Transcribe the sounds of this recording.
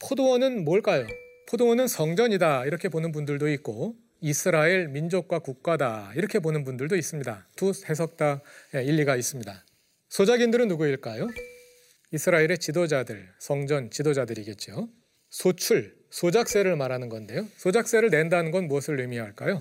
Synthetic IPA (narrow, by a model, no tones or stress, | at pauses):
pʰodowʌnɯnmoɭk͈ajopʰodowʌnɯnsʰʌŋd͡ʑʌɲidaiɾʌkʰe̞bonɯnbundɯɭdoit̚k͈o | isʰɯɾaiɭmind͡ʑok̚k͈wakuk̚k͈adaiɾʌkʰe̞bonɯnbundɯɭdois͈ɯmɲidatuhʰe̞s̬ʰʌk̚t͈aje̞iʎːiɡais͈ɯmɲida | sʰod͡ʑaɡindɯɾɯnːuɡuiɭk͈ajo | isʰɯɾaeɾe̞t͡ɕidod͡ʑadɯɭsʰʌŋd͡ʑʌnt͡ɕidod͡ʑadɯɾiɡe̞t̚t͡ɕ͈io | sʰot͡ɕʰuɭ | sʰod͡ʑak̚s͈e̞ɾɯɭmaɾanɯnɡʌnde̞josʰod͡ʑak̚s͈e̞ɾɯɭne̞ndanɯnɡʌnmuʌsʰɯɭːɯmiɦaɭk͈ajo